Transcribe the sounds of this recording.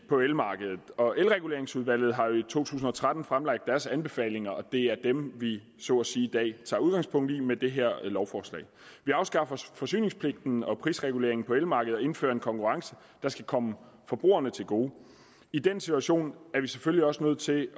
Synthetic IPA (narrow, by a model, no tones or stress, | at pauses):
pʰɒ̽elmɑ̈ːɡ̥əð̞ˠð̩ˠɒ̽elʁɛɡ̥ule̝ɐe̝ŋsuðˠʋæl̰ð̩ˠɦɑ̈jo̝it͡sʰo̝̰ːt͡sʰṵːsn̩ɒ̽t͡sʰʁad̥n̩fʁamlɑ̈ɡ̥̚d̥æɐsænb̥e̝fɛ̰ːle̝ŋɐɒ̽d̥e̝æɐd̥emʋi | sɔ̰̽ːsiːid̥ɛ̰ːt͡sʰɑ̰̈uð̞ˠɡ̥ɑ̈ŋspʰɔ̽ŋ̰d̥imed̥e̝ɦeɐ̰lɒʊfɒːslɛ̰ɪʋiɑ̈ʊsɡ̥ɑ̈fɐfɒ̽sy̰ːne̝ŋspʰle̝ɡ̥̚d̥n̩ɒ̽pʰʁiːsʁɛɡ̥ule̝ɐ̰eŋn̩pʰɒ̽elmɑ̈ːɡ̥əð̩ˠɒ̽e̝n̩fø̰ːɐe̝nkʰɒ̽ŋkʰuʁɑ̈ŋsə | d̥ɑ̈sɡ̥ækʰɒ̽mə | fɒ̽b̥ʁo̝̰ːɐnət͡sʰe̝lɡ̥o̝ː | id̥ensit͡sʰuæɕo̝̰ːnæɐʋiseføliɒ̽sənøð̞̰ˠt͡sʰe̝